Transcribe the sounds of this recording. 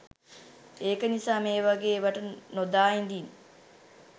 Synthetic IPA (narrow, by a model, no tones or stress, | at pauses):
eːkənisaːmeːʋaɡeːʋəʈənod̪aːind̪iːn